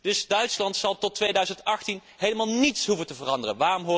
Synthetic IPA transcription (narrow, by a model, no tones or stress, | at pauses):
d̥ɵsdœɥtslɑntsɑlˠtɔtʋejdœɥzəntɑχtin | ɦejləmaːlˠnitsɦuvəntəvərɑndərənʋaːrɔmɦʊː